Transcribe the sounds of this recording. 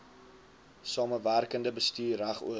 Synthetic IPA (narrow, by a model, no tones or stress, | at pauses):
sɑːməværkəndəbəstyːræχṵə